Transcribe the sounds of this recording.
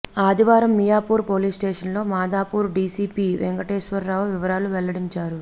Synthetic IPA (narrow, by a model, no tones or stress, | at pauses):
aːd̪iʋaːɾɐmːijaːpuːɾpo̞ːliːsʈeːʂɐnlo̞ːmaːd̪aːpuːɾɖiːsiːpiːʋeŋɡɐʈeːʃʋɐɾːaːʋuʋiʋɐɾaːluʋɛlːɐɽiɲt͡ʃaːɾu